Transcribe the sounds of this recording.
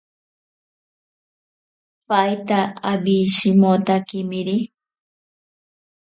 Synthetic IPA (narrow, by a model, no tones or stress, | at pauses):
pajt̪aabiʃimot̪akimiɾi